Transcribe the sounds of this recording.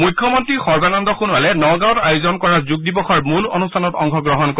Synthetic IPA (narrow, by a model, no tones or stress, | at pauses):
mujkʰːɔmɔntɹixɔɹbanɔndɔxunwalɛnɔɡãw̃tajʊzɔnkɔɹazuɡ̚dibɔxʰɔɹmulo̰nustʰanɔtɔŋkʰɔɡɹɔɦɔnkɔ